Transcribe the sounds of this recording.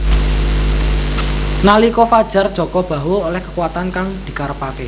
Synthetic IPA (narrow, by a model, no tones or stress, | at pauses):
nalikɔfad̥ʒ̥a̤rd̥ʒ̥ɔ̤kɔb̥a̤woolɛhkəkuwat̪ankaŋd̪̥i̤kaɾəpake